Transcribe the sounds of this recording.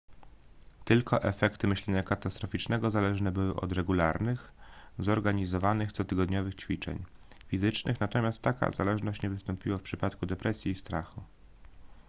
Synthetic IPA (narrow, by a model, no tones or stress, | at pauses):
t̪ɘlkʰɔʔɛfɛkt̪ɘmɘɕlɛɲakat̪ast̪ɾɔfʲit͡ʂnɛɡɔzalɛʐnɛbɘwɘʔɔ̰d̪ɾɛɡulaɾnɘxzɔɾɡaɲizɔvanɘxt̪sɔt̪ɘɡɔd̪ɲɔvɘxt͡ɕfʲit͡ʂɛ̰ɲ | fʲizɘt͡ʂnʔɘxnat̪ɔmʲjast̪ːaka̰za̰lɛʐnɔɕt͡ɕɲɛvɘst̪ɔmpʲiwafpʂɘpat̪kud̪ɛpɾʔɛsʲjiːst̪ɾaxu